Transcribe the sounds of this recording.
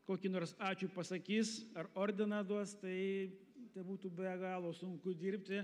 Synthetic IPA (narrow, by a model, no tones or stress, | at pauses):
koːkʲinoːrsɑːt͡ʃʲuːpɐsɐkʲiːsɐroːɾʲd̪ʲɪnɑd̪uɔst̪ɐɪ | t̪ʲɛbuːt̪uːbʲɛɡɑːlˠoːsʊŋkʊd̪ʲiːɾʲp̚ʲt̪ʲɪ